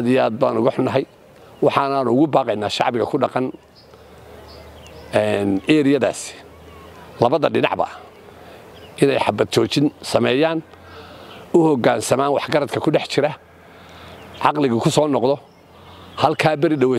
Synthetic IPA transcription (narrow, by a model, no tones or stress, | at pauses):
aðɪjaːd̪̚ba̰ːnʊɣʊħʊnɐɦɛj | wɑħɑːnaːnʊʊɣʊbaːqɛjnaːʃɑ̰ʕbɪɣɐkʰʊɖɑqɑn | ɛnɛːɾijɐða̰ːsɪ̥ | lɐβɐðɐɖɪnɑ̰ʕbɐ̰ | ʔɪnɛ̰jħɑbɐd̪̚t͡ʃʰɔːt͡ʃɪnsɐmɛːjaːn | ʊhɔɡaːnsɐmaːnwɑħɡɐɾɐd̪kʰɐkʰʊɖɛħt͡ʃɪɾɐ | ʕɑqlɪɣɐkʰʊsɔːnɔqðɔ | hɐlkʰaːbɛɾɪɖɐwɛː